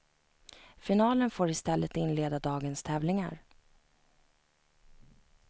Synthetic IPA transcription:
fɪnɑːlənfoːɾɪst̪ɛlːət̪ɪnleːd̪ad̪ɑːɡənst̪ʰɛːvlɪŋa̰ɾ

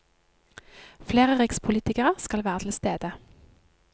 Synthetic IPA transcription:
fleːʁəʁɪkspʰʊliːt̪ɪkəʁəskɑlʋæːʁət̪ʰl̩st̪eːd̪ə

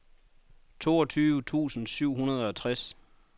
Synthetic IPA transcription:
t͡sʰo̝ːɒt͡sʰyːʋət͡sʰṵːsn̩syʊ̰ɦunɐð̞ˠɒt͡sʰʁas

